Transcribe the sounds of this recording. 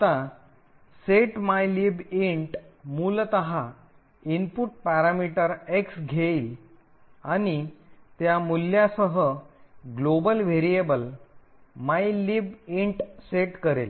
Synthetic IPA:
t̪a | seʈmajlibiɳʈmuːlt̪əɦa | inpuʈ̚paɾamiʈəɾeksɡʱeil | añit̪jamuljasəɦəɡlobəlʋeɾijebəl | majlibiɳʈseʈkəɾḛl

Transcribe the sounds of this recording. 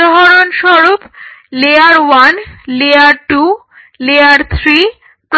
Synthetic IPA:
ɦɔɾonʃɔɾopleaɾwanleaɾʈu | leaɾt̪ʰɾi | pɾ

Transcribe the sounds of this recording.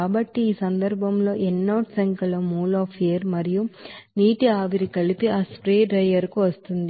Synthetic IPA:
aːbɐʈːiːsɐnd̪ɐɾbʱɐmlo̞ːʔɛnːɐːʈsɐŋkɐlɐmuːlaːpʰeːɾmɐɾijuniːʈiaːʋiɾikɐɭipiaːspɾeːɖɾɐjɐɾkuʋɐst̪und̪i

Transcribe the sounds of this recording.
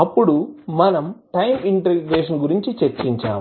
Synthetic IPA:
ɐpːuɽumɐnɐmʈɐjmiɳʈɐɾiɡɾeːʂ̬ɐnɡuɾiɲt͡ʃit͡ʃeɾt͡ʃiɲt͡ʃa̰ːm

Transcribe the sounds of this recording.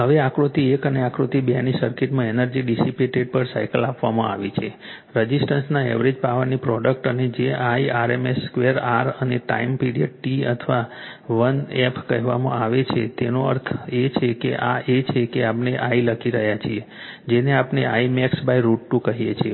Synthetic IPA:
ɦəʋeakɾot̪iekəneakɾot̪ibjanisəɾkiʈmãenəɾd͡ʒiɖisipeʈeɖ̚pəɾsa̰jkəlapʋamã̰a̰ʋit͡ʃʰe | ɾəd͡ʒisʈənsnaḛʋɾed͡ʒpaʋəɾnipɾɔɖək̚ʈəned͡ʒeʔaiaɾemesːkʋeəɾaɾəneʈa̰impiɖiəʈ̚ʈiə̰t̪ʰʋa | ʋənɛpkəɦʋa̰mã̰aʋet͡ʃʰḛt̪enoə̰ɾt̪ʰet͡ʃʰekḛʔa̰ʔet͡ʃʰekeapneʔailəkʰiɾəɦjat͡ʃʰie | d͡ʒeneapneaimɛksbajɾuʈːũkəɦijet͡ʃʰe

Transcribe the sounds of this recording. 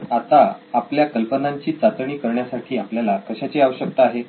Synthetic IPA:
at̪aapljakəlpənaɲt͡ɕiːt͡sat̪əɳiːkəɾɳjasaʈʰiːapljalakəɕat͡ɕiːaʋəɕək̚t̪aːɦe

